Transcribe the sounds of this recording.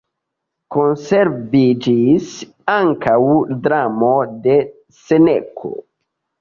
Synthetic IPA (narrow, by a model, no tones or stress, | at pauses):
ko̞nse̞ɾvid͡ʒis | aŋkawdɾamo̞de̞ | senekʰo̰